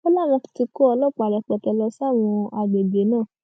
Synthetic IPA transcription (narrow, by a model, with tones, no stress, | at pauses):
o˦la˦˨m̃ɔ̃˧ki̥˧ti˧ko˦ɔ˧lɔ˦˨k͡pa˨lɔ˧˨k͡pɛ˨tɔ˧lɔ˧sw̃ɔ̃˧a˧ɡ͡be˨ɡ͡be˨˦nãː˦˨